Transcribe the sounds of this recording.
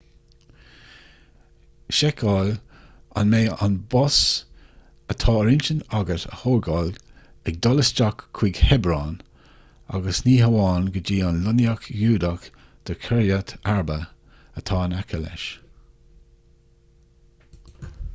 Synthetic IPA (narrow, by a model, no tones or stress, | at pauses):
ʃɛkʰɑl | a̰nmeːa̰nbɔs | ət̪ʰɑːɾɪnt͡ʃənaɡətə̰hoːɹɡɔl | ɛɡ̚d̪ɔləst͡ʃakʰːw̥iɡhɛbɾɑːn | a̰ɡəsniːɦəwɑːnɡəd͡ʒiːanlʊnjakjuːd̪ak | d̪̥əɹkʰəɹjət̪ʰaɹbə | ət̪ʰɑːnakʰəlɛ̰ʃ